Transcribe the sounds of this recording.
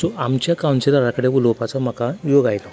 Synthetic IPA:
sɔʔamt͡ɕjakawnt͡ɕeɾaɾakəɽebulowpat͡sam̤akajoɡajt̪ɔ

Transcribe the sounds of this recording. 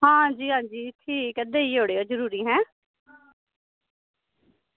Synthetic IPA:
ɦãːd͡ʒiːɦãːd͡ʒiːɪt̪ʰːiːkəd̪eːiːɦoːɽeːoːzəɾuːɾiːɦɛ̃ː

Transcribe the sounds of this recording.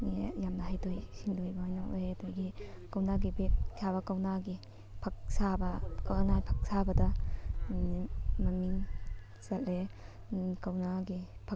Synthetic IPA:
nejamnɐɦajdojsindojbaajnaojtojɡikɐwnaɡibek̚kʰaβɐkawnaɡi | pʰɐk̚sabɐkanapʰɐ̥k̚sabɐdɐ | mɐmiŋ | sɐtle | kawnaɡipʰɐ

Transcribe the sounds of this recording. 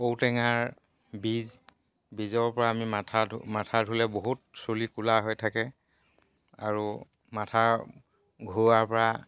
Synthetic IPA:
owtɛŋaɹ | biz | bizɔɹpɔɹaːmimatʰamatʰadʱulɛboɦut̚solikulaɦojtʰakɛ | a̰ɹu | matʰaɹ | ɡʱuaɹpɔɹa

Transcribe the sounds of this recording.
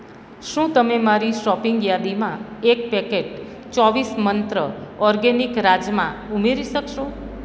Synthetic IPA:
ʃũt̪əmemaɾiʃɔpiŋɡjad̪imãek̚pɛkeʈ | t͡ʃɔʋismənt̪ɾəɔɾɡenikɾad͡ʒjəmãumeɾiʃəkʃo

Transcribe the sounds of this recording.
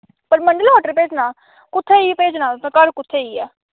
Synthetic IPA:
pəɾməɳɖəlɦoːʈəɾpeːd͡ʒnaː | kʊt̪ʰːeːiːpeːd͡ʒnãːt̪ãkəɽkʊt̪ʰːeːiːɛː

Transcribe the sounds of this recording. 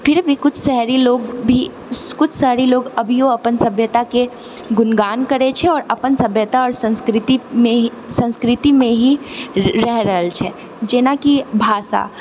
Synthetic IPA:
pɪɾbʱikʊt͡ʃʰsɛɦɾiloːɡbʱi | kʊt͡ʃʰsɛɦɾiloːɡɐbʱijoɐpənsɐbʱjət̪ake | ɡʊnɡaːnkɐɾet͡ʃʰeɔːɾɐpənsɐbʱjət̪aɔːɾsɐ̃nskɾɪt̪imẽ | sɐ̃nskɾɪt̪imẽɦiɾɛɦɾəɦəlt͡ʃʰɛ | d͡ʒeːnakibʱaːsa̰ː

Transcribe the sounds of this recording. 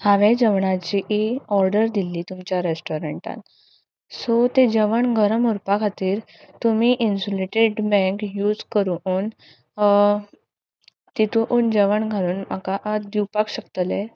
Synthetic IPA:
haʋed͡ʑəʋɳat͡ɕiʔiɔɾɖəɾd̪ilːiːt̪umt͡ɕjaɾesʈɔɾeɳʈã̰n | sot̪ed͡ʑəʋəɳɡʱəɾəmuɾpakʰat̪iːɾ | t̪um̤iːʔinsoleʈeɖbɛ̃ŋkjuːd͡zkəɾuuːn | t̪it̪uʔuːnd͡ʑəʋəɳɡʱaɾuːnma̰kaʔd̪iwpakɕəkt̪əle

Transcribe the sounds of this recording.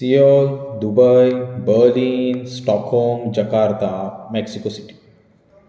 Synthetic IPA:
sijɔld̪ubəjbəɾliːnsʈɔkhɔmd͡ʒɐkaːɾt̪ameksikosiʈi̥

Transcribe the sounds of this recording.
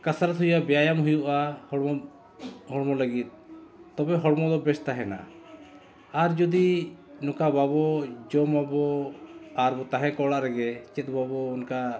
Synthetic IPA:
kasaɾat̪ɦujabɛjajamɦujuʔahɽ | ɦɔɽmɔləɡit̪̚t̪ɔbɛɦɔɽmɔd̪ɔbɛst̪aɦɛna̰ | aɾd͡ʒɔd̪i | nɔ̃kababɔd͡ʒɔmabɔ | aɾbɔt̪aɦɛ̃kɔɽaʔɾɛɡɛt͡ʃɛt̪̚babɔunka

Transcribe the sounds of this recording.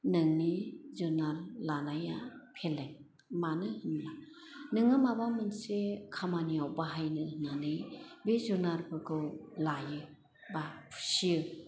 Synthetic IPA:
nɯŋnizɯnaɾlanajapʰelːeŋ | manɯhɯnla | nɯŋɯmabamɯnsekʰamaniawbaɦajnɯɯnanɯjbezunaɾbɯkʰɯwlajɯ | bapʰu̥sijɯ

